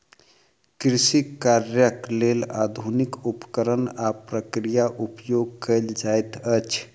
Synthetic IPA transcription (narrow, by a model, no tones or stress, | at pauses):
kɾisikaɾjəklela̰d̪ʱunikupkəɾənapɾəkɾijaʔupjoɡ̚kəjld͡ʒajt̪ət͡ʃʰ